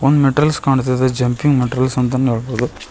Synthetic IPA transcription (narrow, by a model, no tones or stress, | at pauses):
ɔnːmɛʈɾɐlskaːɳɐt̪ːɐðɐd͡ʒɐmpɪŋmɛʈɾɐlsɐnt̪aːnɛɻɐpːɾɐðɯ